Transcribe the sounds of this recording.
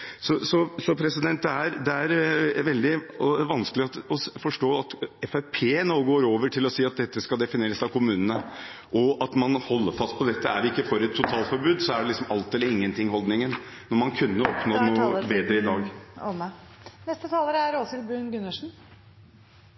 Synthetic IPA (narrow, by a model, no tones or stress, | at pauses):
sɔsɔsɔpʰɾɛsɪd̪ɛnt̪̚d̪ɛæɾd̪ɛæɾʋɛld̪ɪɔʋɑnsklɪɑt̪ɔfɔʂʈoːɑt̪ɛfæpʰeːnoːɡoːɾoːʋəʈʰɪlɔsiːɑt̪̚d̪ɛt̪ːəskɑld̪ɛfɪneːɾəsɑʋkʊmʉːnənə | ʔɔɑt̪mɑnhɔlːəɾfɑst̪̚pʰɔd̪ɛt̪ːəæ̰ɾʋɪɪkːəfɔɾɛt̪ʰːʊt̪ʰɑːlt̪fɔɾbʉːd̪sɔæɖɛlɪksɔmɑlt̪ɛlːəɾɪŋːənt̪ʰɪŋːhɔld̪nɪŋənnɔɾmɑnkʰʉnːəɔpnoːnuːbeːd̪ɾəɪd̪ɑːɡ | nɛst̪ət̪ʰɑːləɾəæɾoːsɪlbʉːnɡʉnːəʂɳ̩